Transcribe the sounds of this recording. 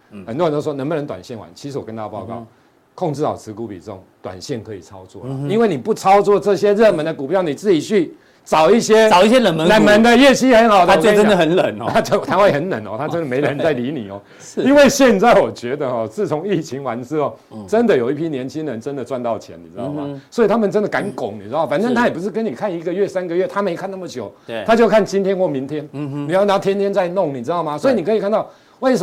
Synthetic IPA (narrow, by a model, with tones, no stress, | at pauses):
xə˨˩t̪ɔ˥ə˧no˥˧˩wɔ˥nə˧˥ŋbə˧nə˧˥t̪wa̰˨˩nɕjɛ˥˩nwa̰˦nt͡ɕʰi˧˥ʂ̩˧˥wɔ˨˩kə˦nt̪a˥a˨˧pɑ˥˧ʊkɑ˥˩ʊ | kʰo˥˧ŋʈ͡ʂɻ̩˥˩ɑ̰˨˩ʊt͡sʰɹ̩˧˥ku˧˥pḭ˨t͡s̩˥˧ʊ˥˨˩ŋt̪wa̰˨˩nɕjɛ˥˩nkʰɤ˧˦i˨˩t͡sʰɑ˥ʊt͡swɔ̰˥˨i˥nwe˥˩ɪni˨˩pu˥˩t͡sʰɑ˥ʊt͡swɔ˥˧ʈ͡ʂɤ˥˧˩ɕjɛ˥ɻə˥˨nmə˧˦nd̪ə˨ku˨˩pjɑ˥˩ʊni˨˩t͡sɹ̩˥˩t͡ɕi˨˩t͡ɕʰy˥˩ | t͡sɑ˨˩ʊi˥˧ɕjɛ˦˥ɑ˨ʊi˥˩ɕjɛ˦˥lə˨nmə˧˦na˨˥nmə˧˦nd̪ə˧jɛ˥˩ɕʰi˥xə˧˥nxɑ˨˩ʊd̪ə˧˥˨jo˥˧˥ə˥nd̪ə˨xə˧˦nlə˨˩˦n˧a˥t͡ɕjo˥˩ʊ˨t̪ʰa˥xwe˥˩ɪxə˧˥nnə˧˦nɔ̰˨t̪ʰa˥˧ʈ͡ʂə˥nd̪ə˨me˧˥ɪlə˧˦˧nt͡sa˥˩ɪli˧˥nḭ˨˩ɔ˨˦˥ | i˦nwe˥˧ɪɕjɛ˥˧nt͡sa˥˩ɪwɔ˨˩t͡ɕɥɛ˧˥d̪ə˨xɔ˨t͡sɹ̩˥˩t͡sʰʊ˧˥ŋi˥˩t͡ɕʰi˧˥ŋwa˧˥ns̩˥˧ɔ˨˩ | ʈ͡ʂə˦˥nd̪ə˨jo˨˩ʊi˥˩pʰjɛ˦˥njɛ˧˥nt͡ɕʰi˦nlə˧˦nʈ͡ʂə˦˥nd̪ə˨ʈ͡ʂwa˥˧nt̪ɑ˥˩ʊt͡ɕʰjɛ̰˧˦ni˨˩ɻ̩˦˥ɑ˥˧˩ʊmɐ̰˨swɔ˧˥i˨˩t̪ʰa˥mə˨nʈ͡ʂə˥nd̪ə˨ka˧˥nkʊ̰˨˩˦ŋni˨˩ɻ̩˥ɑ˥˨˩fa˨˩nə˥nt̪ʰa˥jɛ˨˩pu˧˦ʂ̬ɻ̩˥˩kə˦ni˨˩kʰa˥˩ni˧˥ɡə˨ɥɛ˥˩sa˥nɡə˨ɥɛ˥˩t̪ʰa˥me˧˥ɪkʰa˥˧na˥˩mə˨˩t͡ɕjo˨˦ʊt̪ʰa˥t͡ɕjo˥˧ʊkʰa˥˩nt͡ɕi˥nt̪ʰjɛ˥nxwɔ˥˩mi˧˦˥nt̪ʰjɛ˦n˧ni˨˩jɑ˥˩ʊna˧˥ŋt̪ʰjɛ˥nt̪ʰjɛ˥nt͡sa˥˧ɪnʊ˥˩ŋni˨˩ɻ̩˥t̪ɑ˥˩ʊma˨swɔ˧˥i˨ni˨˩kɤ˧˥i˨˩kʰa˥˧nt̪ɑ˥˩ʊ | we˥˩ɪʂə˧